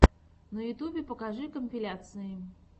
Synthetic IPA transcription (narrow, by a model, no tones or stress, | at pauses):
nɐjʊt̪ubʲɪpəkaʐɨkəmʲpʲɪlʲat̪sɨjɪ